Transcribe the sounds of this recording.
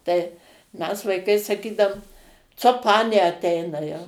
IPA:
tɐɪ ˈmʲɛs ʋɐɪˈkɐɪ sɐˈkʲiːdɐʊm ˈt͡soː ˈpɑːnʲeː ɐˈt ɛɪnɐ jɛʊ

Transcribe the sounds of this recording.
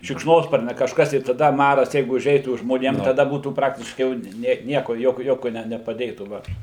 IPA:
ʃʲɪkʃˈnoːspɐrʲnʲɛ kɐʃˈkɐs tɐɪ ɪ tɐˈdɐ ˈmɑːrɐs ˈjɛɪɡʊ ʊˈʒʲɛɪtuː ʒmoːˈnʲeːm tɐˈdɐ ˈbuːtuː ˈprɑːktʲɪʃkɐɪ jɛʊ ˈnʲɛ ˈnʲiɛkoː ˈjoːkʲoː ˈjoːkʲoː nʲɛ nʲɛpɐˈdʲeːtuː ˈʋɐ

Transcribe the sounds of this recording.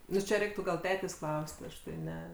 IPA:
ˈnʊ t͡ʃʲɛ ˈrʲɛɪktʊ ɡɐlˠ ˈtʲæːtʲeːsʲ ˈklˠɐʊsʲtʲ ˈɐʃ tɐɪ ˈnʲɛ

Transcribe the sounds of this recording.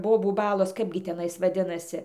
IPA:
ˈboːbuː ˈbɑːlˠoːs ˈkɐɪbʲɡʲɪ tʲɛˈnɐɪs ʋɐˈdʲɪnɐsʲɪ

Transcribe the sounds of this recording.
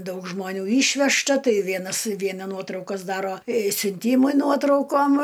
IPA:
ˈdɐʊk ʒmoːˈnʲuː ˈiːʃʲʋʲɛʃtɐ ˈtɐɪ ˈʋʲiɛnɐs ˈʋʲiɛnɐ ˈnuɔtrɐʊkɐs ˈdɑːroː sʲʊnʲˈtʲiːmʊɪ ˈnuɔtrɐʊkoːm

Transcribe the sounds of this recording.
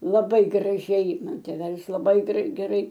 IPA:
lˠɐˈbɐɪ ɡrɐˈʒʲɛɪ ˈmɐn tʲeːˈʋʲæːlʲɪs lˠɐˈbɐɪ ɡrʲɛɪ ɡʲɛˈrɐɪ

